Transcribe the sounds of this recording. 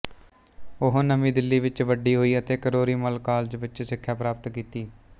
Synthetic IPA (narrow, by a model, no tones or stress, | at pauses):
ʊɦonəmiːd̪ɪlːiːʋɪt͡ʃʋəɖiːɦoːiːət̪eːkəɾoːɾiːməlkaːld͡ʒbətːt͡ʃːsɪkʰːjaːpɾaːpt̪kiːt̪iː